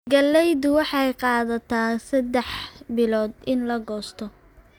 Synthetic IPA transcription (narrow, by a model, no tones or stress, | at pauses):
ɡɐlːɛjðʊwɑħɑjqɑːðɐt̪ʰaːsɐd̪ɛħbɪlɔːd̪ɪnlɐɡɔːst̪ʰɔ